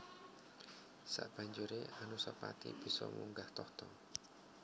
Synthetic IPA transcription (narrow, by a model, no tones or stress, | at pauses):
sa̰ʔb̥a̤ɲd͡ʒuɾeʔanusəpat̪ḭb̥i̤sɔmuŋɡaht̪ɔht̪ɔ